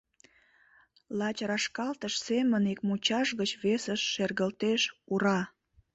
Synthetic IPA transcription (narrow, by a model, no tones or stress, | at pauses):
lɑt͡ɕrɑʃkɑlt̪əʃsemənek̚mut͡ɕɑʃɣət͡ɕβesəʃːerɣəlt̪eʃuɾɑ